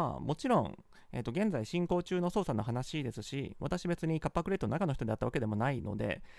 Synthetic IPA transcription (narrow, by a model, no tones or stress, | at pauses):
a̰mo̞t͡ɕiɾõ̞ŋ | ḛːt̪ːoɡẽ̞nd͡zaiɕĩŋko̞ːt͡ɕɨːno̞so̞ːsano̞ɦanaɕid̪e̞sɨɕḭβa̰t̪aɕibe̞t͡sɨɲ̟ikapːakɯ̟ɾe̞t̪ːonakanoç̥it̪od̪at̪ːaβake̞d̪e̞mo̞naino̞̰d̪e̞̰